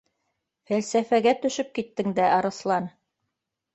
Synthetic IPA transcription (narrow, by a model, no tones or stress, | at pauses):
fælsæfæɡæt̪ɵ̆ʃɵp̚kit̪ːɘŋd̪æʔɑɾɤ̆slˠɑn